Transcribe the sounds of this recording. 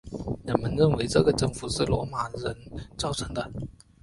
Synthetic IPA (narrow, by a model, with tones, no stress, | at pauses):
ɻə˨˩nmə˧˥nɻə˥˩nwe˧˥ɪʈ͡ʂɤ˥˩ɡə˩ʈ͡ʂɤ˥˩ŋfu˨˩˦ʂɻ̩˥˩lwɔ˧˥ma˨˩ɻə˧˥nt͡sɑ˥˩ʊʈ͡ʂʰɤ˧˥ŋd̪ə˧